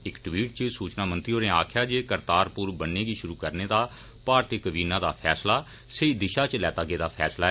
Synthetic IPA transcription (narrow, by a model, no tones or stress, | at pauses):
ɪkʈwiːʈt͡ʃsuːt͡ʃnaːmə̃nt̪ɾioːneːaːkʰjaːd͡ʒeːkəɾt̪aːɾpʊɾbənːeːɡiːʃʊɾuːkəɾneːd̪aː | paːɾt̪ɪkəbiːnãːd̪a̰ːpʰɛːslaː | səiːd̪ɪʃaːt͡ʃlɛːt̪aːɡeːd̪aːpʰɛːslaːɛ